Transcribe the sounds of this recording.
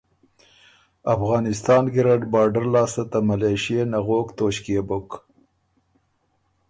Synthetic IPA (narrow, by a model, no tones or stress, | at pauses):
afɣɑːnɪst̪ɑːnɡɪɾaɖbɑːɾɖaɾlɑːsat̪amalɑjʃienaɣoːkt̪oʃkebʊk